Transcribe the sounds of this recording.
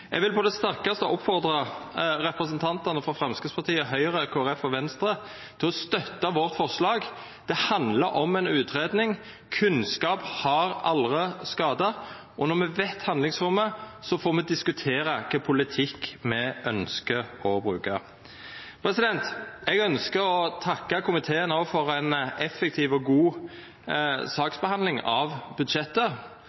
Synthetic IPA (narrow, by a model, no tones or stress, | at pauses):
ɛ̰ɡʋɪlpʰɔd̪ɛst̪æɾkɑst̪əʔɔpfɔʁd̪ɾɑɾɛpɾəsənt̪ʰɑnt̪ɑnəfɾɔfɾɑmskəspʰɑʁt̪ʰiːəɦœʏɾəkʰoːæɾɛfɔʋɛnst̪ɾə | t̪ʰɪlɔst̪œt̪ːɑʋɔʁt̪fɔʁʂlɑːɡ | d̪̥ɛhɑnd̪lɑɾʔɔmɛnʉːt̪ɾeːd̪nɪŋ | kʰʉnskɑːphɑɾɑlʁəskɑːd̪ɑ | ʔɔnɔʁmɛʋet̪hɑnd̪lɪŋsɾʊmːəsɔfoːmɛd̪ɪskʉt̪ʰeːɾɑkʰəpʰʊlɪt̪ʰɪkːmɛʔœnskəɔbɾʉːkɑ | pʰɾɛsɪd̪ɛnt̪ɛɡœnskəɾɔt̪ʰɑkːɑkʰʊmɪt̪ʰeːənoːfɔɾæɪnɛfːɛk̚t̪ʰiːʋɔɡuː | sɑːksbɛhɑnd̪lɪŋɑʋbʉd̪ʃɛt̪ːə